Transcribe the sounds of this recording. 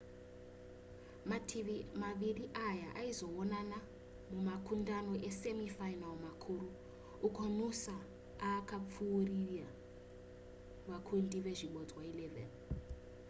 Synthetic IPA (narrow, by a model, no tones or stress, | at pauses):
maimaʋiriʔajaʔaizo̞onana | mumakʰundano̞ʔesemifajnalmakʰuːɾuː | kʰo̞nusa | aːkap͡fuːrija | ʋakʰundiʋe̞ʐiɓod͡zwailevḛli